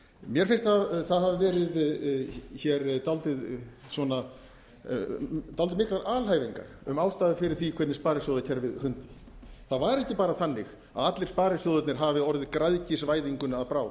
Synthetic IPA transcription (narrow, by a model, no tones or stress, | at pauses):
mjɛɾfɪnst̪haθaðɦavɪvɛːɾɪð | çɛɾt̪alt̪ɪðsvɔna | t̪alt̪ɪmɪhklaɾaːlɦaːjviŋka̰ɾ̥ʏmaːwst̪aːðɪfɪɾɪɾ̥θikʰvɛt̪nɪspaːɾɪsjowðacʰɛɾvɪðrʏnt̪ɪ̥ | θaðvaɾɛhcɪpaːɾaθanːɪx | a̰ðat̪lɪ̥spaːɾɪsjowðʏt̪nɪɾ̥ɦavɪɔɾðɪkɾaðcɪsvaːjðiŋkʏnaðpɾaːw